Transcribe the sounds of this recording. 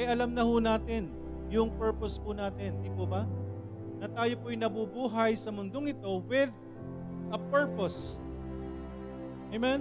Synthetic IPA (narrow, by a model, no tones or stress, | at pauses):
ʔɛjɐlɐmnɐhunaːt̪ɪn | jʊŋpɛɹpospʊnaːt̪ɪnd̪ɪpobɐ | nɐt̪aːjopoɐjnɐbubuːɦɐjsɐmʊnd̪oŋɪt̪o̞wɪd̪ | ʔɐpɛɹpos | ɛmɛn